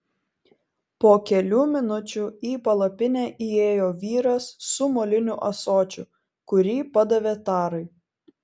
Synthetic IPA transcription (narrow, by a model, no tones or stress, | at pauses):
poːkʲɛlʲuːmʲɪnʊt͡ʃʲuːˑiːpɐlˠɐpʲɪnʲɛːʔieːjoːʋʲiːɾɐsːʊmoːlʲɪnʲʊʔɐsoːt͡ʃʲʊ | kʊɾʲiːpɐd̪ɐʋʲeːt̪ɑːɾɐɪ